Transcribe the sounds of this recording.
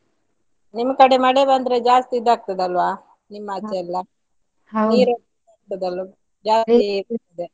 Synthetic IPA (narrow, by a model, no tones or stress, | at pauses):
nimːɐkɐɽemɐɽebɐnd̪ɾed͡ʒaːst̪id̪ːaːk̚t̪ɐd̪ɐlʋaː | nimːɐːt͡ʃːeɐlːɐ | niːɾo | aːk̚t̪ɐd̪ɐlɐ | d͡ʒaːɾiɐt̪ɐd̪e